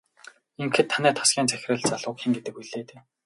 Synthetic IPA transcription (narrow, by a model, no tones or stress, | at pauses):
iŋkɘ̆t̪ʰːanæːt̪ʰḁsɡʲiːnt͡sæxʲɪ̆rɘ̆ɮt͡saɮʊːkxĕŋɡet̪ɘ̆k̚uɮeːt̪eː